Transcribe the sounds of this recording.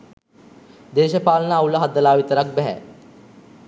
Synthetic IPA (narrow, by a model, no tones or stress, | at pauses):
d̪eːʃəpaːlənəauləɦad̪əlaːʋit̪əɾak̚bɛɦæ̰